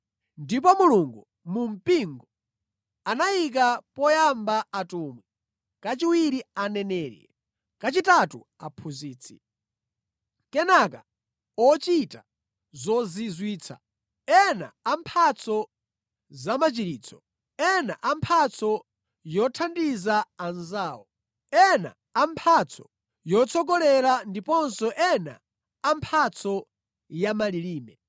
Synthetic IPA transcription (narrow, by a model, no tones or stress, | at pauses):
ndip̬ɔmuluŋɡu | mum̩piŋɡɔ | anajik̬apɔjambaːtuːmwɛ | kat͡ʃiwiɾianɛnɛːɾɛ̰ | kat͡ʃitatṵ | a̰pʰuziːt͡sʰi̥̰ | kɛnaka | ɔt͡ʃita | zɔzizwiːt͡sʰa̰ | ɛna̰ampʰat͡sʰɔ | zamat͡ʃiɾiːt͡sʰɔ̥ | ɛnaʔampʰat͡sʰɔ | jɔtʰandizaanzaːwɔ | ɛna̰ːmpʰat͡sʰɔ̥̰ | jɔt͡sʰɔɡɔlɛɾandipɔnsɔʔɛna̰ | ampʰat͡sʰɔ | jamaliliːmɛ